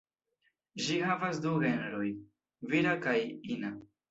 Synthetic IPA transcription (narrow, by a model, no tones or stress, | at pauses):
ʒihavasduɣenɾoj | viɾakajina